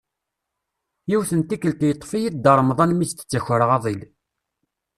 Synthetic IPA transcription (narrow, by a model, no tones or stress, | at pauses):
jiwθənt̪ikːəlt̪jət̪ˤːfijid̪əɾˤmðˤɑnmist̪ə̥t͡sːæçəɾʁɑðˤil